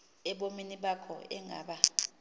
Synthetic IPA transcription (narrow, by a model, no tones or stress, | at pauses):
ɛɓominiɓakʰɔ̰ɛŋa̰ːɓa